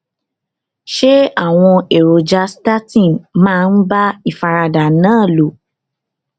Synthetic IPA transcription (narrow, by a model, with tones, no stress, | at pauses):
ʃe˦a˦˨w̃ɔ̃˧e˨ɾo˨d͡ʒa˧sta˦tĩ˦˨mãː˦˧n̩˦ba˦i˨fa˧ɾa˧da˨nãː˦˨lo˨